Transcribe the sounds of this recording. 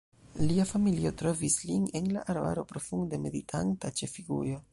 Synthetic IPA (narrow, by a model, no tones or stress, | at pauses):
liafamilio̞tɾo̞visline̞nla̰ʔaɾba̰ɾo̞pɾo̞fuŋdeme̞ditʰantat͡ʃe̞fiɡṵjo̞